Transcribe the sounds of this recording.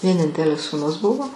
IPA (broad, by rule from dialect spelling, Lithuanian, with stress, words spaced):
ʋʲiɛˈnʲɪnʲtʲɛlʲɪs suːˈnʊs ˈbʊʋoː